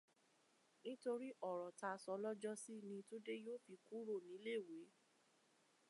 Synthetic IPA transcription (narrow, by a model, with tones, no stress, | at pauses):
nĩ˦to˧ɾi˦ʔɔ˦˨ɾɔ˨ta˧sɔ˧˦lɔ˦d͡ʒɔ˦si˦˨nĩ˧to˦de˦joː˦fi˧˦ku˦ɾo˦˨nĩ˨˦le˦˨we˨˦